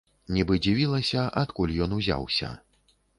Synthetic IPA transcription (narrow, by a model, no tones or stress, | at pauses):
nʲibɨd͡zʲivʲilˠɐsʲɐʔat̪kulʲjɔnuzʲa̰wsʲɐ̰